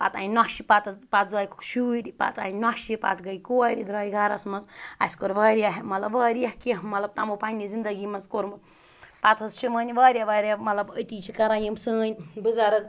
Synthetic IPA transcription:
pa̰t̪a̰ːnnaʃipat̪pat̪ʰzaːjikʰu̥kʃuːɾʲipa̰t̪a̰ːnaʃipa̰t̪ʰɡɐjkoɾid̪ɾɐːjiɡaɾɐsmɐnza̰sʲkoɾʋɐːɾijaɦimɐt̪lɐbʋɐːɾjɐhkiɦmɐt̪lɐb̚t̪amopanʲizind̪ɐɡimɐnzkoɾm | pat̪ʰɐst͡ʃʰimɐːnʲiʋaːɾʲjaʋaːɾʲjamɐt̪lɐbət̪iːt͡ʃʰikɐɾajimsəːnʲbɨzaɾɐk

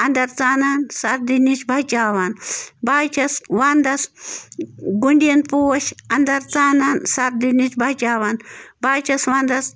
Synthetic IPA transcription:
ɐnd̪ɐɾt͡saːnaːnsɐɾd̪init͡ʃbʱat͡ʃaːʋanbaːt͡ʃɐsʋaːnd̪ɐs | ɡuɳɖiɐnpuwɐʃɐnd̪ɐɾt͡saːnansɐɾd̪init͡ʃbʱaːt͡ʃaːʋanbaːt͡ʃɐsʋaːnd̪ɐs

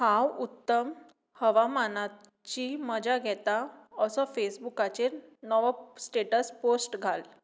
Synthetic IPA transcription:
hãwut̪ːəm | həʋamana | t͡ɕiməd͡ʑaɡʱɛt̪aəsɔfesbukat͡ɕeɾnɔʋsʈeʈəsposʈɡʱal

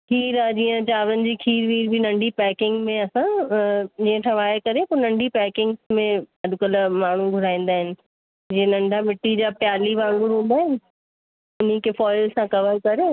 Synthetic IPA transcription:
kʰiːɾãd͡ʑiːə̃t͡ɕaːʋɾənɪ̆d͡ʑiːkʰiːɾʋiːɾbʱinɐ̃ɳɖʱipɛːkɪ̃ŋɡmẽɐsã | d͡ʑiːə̃ʈʰɐ̃ʋaːkɐɾepʊːɾnɐ̃ɳɖʱipɛːkɪ̃ŋɡsmẽɐɗkələmaːɳ̤uɡʱʊɾaːĩːn̆d̪aːɦɪnɪ̆ | d͡ʑiːə̃nɐ̃ɳɖʱamɪʈːid͡ʑaːpjaːliʋaːɽuɾɦũːnd̪aːɦɪnɪ̆ | ʊnikefɔːɪlsãkɐʋəɾkɐɾeː

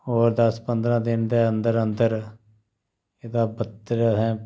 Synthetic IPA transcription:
ɦoːɾd̪əspənd̪ɾãːd̪ɪnd̪eːənd̪əɾənd̪əɾ | ed̪aːbət̪ːɾsɛ̃ː

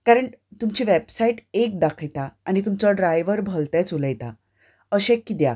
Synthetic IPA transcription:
kaɾəɳt̪umt͡ɕiʋebsaiʈek̚d̪akʰəjt̪aanit̪umt͡ɕɔɖɾajʋəɾbʱəlt̪ɛ̃t͡suləjt̪a | əɕẽkːit̪ja̰

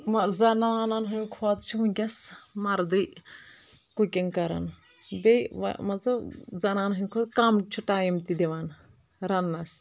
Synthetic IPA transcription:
mɐzɐnaːnɐnɦɐnkʰoːt̪t͡ʃʰuɦuŋʲkʲɐsmɐɾd̪ɨ | kukʲɐŋkɐɾɐ̰n | bʲejʋa̰mɐt͡sɐzɐnaːnɦɐnkʰoːt̪̚kamt͡ʃʰuʈaːjimt̪id̪eʋaːn | ɾɐnːɐs

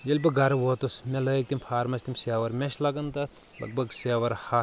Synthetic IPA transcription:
jelʲpɐɡɐɾɐʋoːt̪usmʲelɐːjik̚t̪impʰaːɾmɐsʲt̪imseːʋɐɾmʲeʃlɐɡɐnt̪ɐt̪ʰ | lɐ̰ɡ̚bʱɐɡseːʋɐɾhɐ

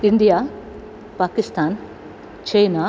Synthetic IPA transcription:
ɪnd̪ijaː | paːkɪst̪ʰaːn | t͡ʃejnaː

